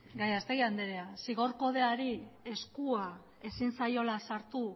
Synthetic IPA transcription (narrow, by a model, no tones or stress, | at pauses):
ɡajast̪e̞ɣiand̪eɾeasiɣo̞ɾko̞ð̞e̞aɾie̞skua | e̞sinsajo̞lasaɾt̪u